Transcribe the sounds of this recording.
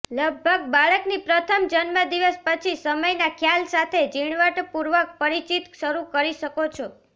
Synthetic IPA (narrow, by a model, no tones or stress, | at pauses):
ləɡ̚bʱəɡ̚baɭəknipɾət̪ʰəmd͡ʒənməd̪iʋəspət͡ʃʰisəməjnakʰjalsat̪ʰed͡ʒiɽ̃ʋəʈpuɾʋək̚pəɾit͡ʃit̪ʃəɾukəɾiʃəkot͡ʃʰo